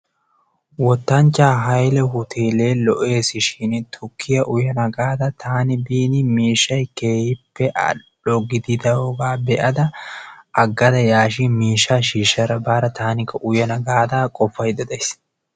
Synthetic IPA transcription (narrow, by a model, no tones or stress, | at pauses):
wɔt̪ːɐnt͡ʃːaːɦɐjlɛhʊt̪ʰeːle̞ːlɔʔe̞ːsɪʃɪnt̪ʰʊkʰːɪjɐʔʊjɐnɐɡaːd̪ɐt̪ʰaːnɪbiːnɪmiːʃːɐjkeːhɪpːɛʔɐ̰ | ɔɡɪd̪ɪd̪ɐoɡaːbɛʔɐd̪ɐʔɐɡːɐd̪ɐjaːʃimiːʃːaːʃiːʃɐɾɐbaːɾɐt̪aːnɪkːɐʔʊjɐnɐɡaːd̪akʼɔfːɐjd̪ɐd̪ɐjs